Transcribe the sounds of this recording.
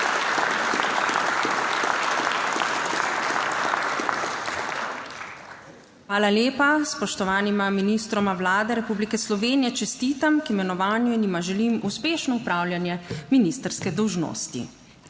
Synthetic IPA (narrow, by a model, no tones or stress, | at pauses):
xʋaːlaljeːpaspɔʃt̪ɔʋaːnimaminist̪ɾɔmawlaːd̪ɛɾɛpublikɛslɔʋeːnijɛt͡ʃɛst̪iːt̪amkimɛnɔʋaːnjuinimaʒɛlimuspeːʃnɔupɾaːwljanjɛminist̪əɾskɛd̪ɔwʒno̰ːst̪ḭ